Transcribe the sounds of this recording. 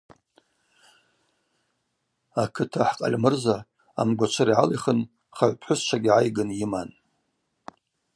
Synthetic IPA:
akʰɨtʰaħqʼa̰lʲmɨrza | a̰mɡʷat͡ʃʷʰaɾiʕaliχən | χaʕʷpʰħʷʊst͡ʃʷʰaɡʲʕajɡɨnjiman

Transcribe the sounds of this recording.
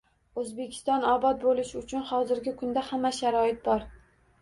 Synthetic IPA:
ɵzbe̞kʲʰɪ̥st̪ɒnɒbɒt̪̚bolɪʃɪʊt͡ʃʰʊnhɒzɪɾɡʲɪkʰʊnd̪ahamːaʃaɾɒjɪt̪̚bɒɾ

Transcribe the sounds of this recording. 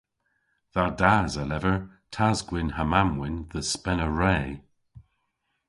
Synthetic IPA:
ðadaːzalɛvəɹ | tʰazɡwɪnhamamwɪnðəspɛnəɹeː

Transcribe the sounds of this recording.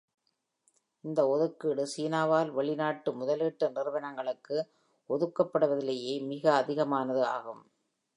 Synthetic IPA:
ɪnd̪ɐɔðɯkːɯɽɯsiːnaːʋaːlʋɐɭɪnaːʈːɯmʊðɐlɪʈːɐnɪɾɯʋɐnɐŋɡɐɭɯkːɯ | ɔðɯkːɐpːɐɽɯʋɐðɪlɐjeːmɪɣɐːðɪɣɐmaːnɐðɯa̰ːɣɯm

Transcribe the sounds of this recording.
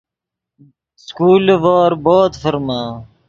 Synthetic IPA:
skuːlʋaːɾboːt̪fɐɾmãː

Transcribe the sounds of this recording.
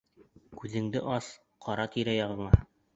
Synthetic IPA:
kʉðɘ̆ŋd̪ɘ̰ʔɑs | qʰɒɾɑt̪iɾæjɑʁɤ̆ɴɑ

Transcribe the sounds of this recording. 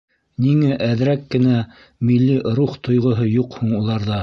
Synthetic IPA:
niŋæʔæðɾækːɘ̆næ | milːiɾuχt̪ŏjʁŏɦɤjuqhuɴulˠɑɾðɑ

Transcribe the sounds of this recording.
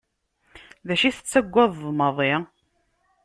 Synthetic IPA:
ðæʃiθə̥t͡sːæɡʷːɑðˤðˤməðˤɪ

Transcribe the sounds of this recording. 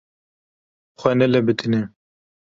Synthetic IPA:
xʷɛnɛlɛbɨt̪ʰinɛ

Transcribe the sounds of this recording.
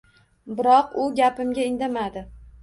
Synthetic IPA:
bɪɾɒqʊɡʲapɪmɡʲaɪnd̪amad̪ɪ

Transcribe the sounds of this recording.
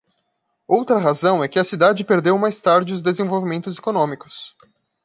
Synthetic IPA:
owt̪ɾɐɦazɐ̃w̃ɛkɪɐsid̪ad͡ʒɪpeɾd̪ewmajst̪aɾd͡ʒɪʊzd̪ezẽvowvimẽnt̪ʊzekonõmikʊ̥s

